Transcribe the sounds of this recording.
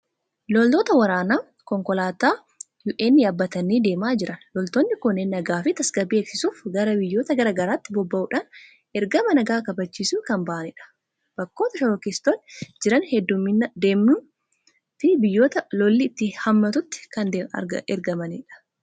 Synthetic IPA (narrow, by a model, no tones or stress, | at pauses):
lɔlt̪oːt̪ɐwɐɾaːnaː | kɔŋkɔlaːt̪aː | juːʔeːnːɪjɐːbːɐt̪ɐniːd̪e̞ːmaːd͡ʒɪɾʔɐnlɔlt̪onːɪkʊnːenːɐɡaːfɪt̪ɐsɡɐbeːksɪsuːfɡɐɾɐbɪjːo̞ːt̪ɐɡɐɾɐɡɐɾaːt̪ːɪbɔbːɐʔuːᶑɐn | ʔɛɾɡɐmɐnɐɡaːkɐbɐt͡ʃːiːsuːkɐmbɐʔɐnɪᶑɐ̥ | b̥ɐkːo̞ːt̪ɐʃɔɾɔkɪst̪oːnd͡ʒɪɾɐnhɛd̪ːʊmːɪnɐd̪e̞ːmnʊ | t̪ɪbɪjːoːt̪ɐlɔlːɪːt̪ːɪhɐmːɐt̪ʊt̪ːɪ̥kɐnd̪eɐ̰ɐɛɾɡɐmɐniᶑɐ̥